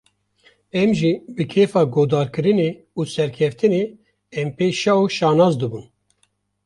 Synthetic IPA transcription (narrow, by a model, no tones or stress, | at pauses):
ɛmʒibɨkʰeːfɑːɡoːd̪ɑːɾkɨɾɨneː | uːsɛɾkʰɛft̪ɨneː | ɛmpeːʃɑuʃɑːnɑːzd̪ɨbun